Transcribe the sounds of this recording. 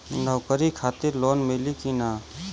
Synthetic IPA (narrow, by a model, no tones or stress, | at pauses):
nəwkəɾikʰaːt̪ɪɾloːnmelikinaː